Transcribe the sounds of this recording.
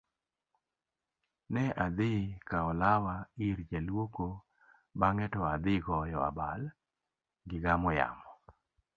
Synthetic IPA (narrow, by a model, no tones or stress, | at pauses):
nɛʔad̪ɪkaɔlawaiɾd͡ʒalwoko | baŋɛtɔad̪ɪɡɔjɔa̰bal | ɡɪɡamɔja̰mɔ